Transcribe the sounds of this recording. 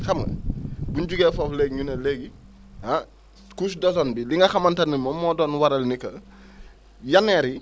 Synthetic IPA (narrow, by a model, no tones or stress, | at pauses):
xɐmɐ̰bunɟuɡɛːfɔflɛɡɲunelɛɡi | ha | kusdɔsɔnbiliŋɡɐxɐmantanːimɔmːɔdɔːnwaɾɐlnikɐ | janːɛːɾi